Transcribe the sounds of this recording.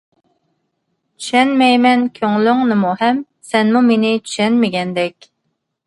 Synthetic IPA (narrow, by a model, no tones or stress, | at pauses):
t͡ʃʰy̥ʃɛnmɛjmɛnkʲʰøŋlyŋnɪmuhɛm | sɛnmumenɪt͡ʃʰy̥ʃɛnmɪɡʲɛnd̪ɛkʲ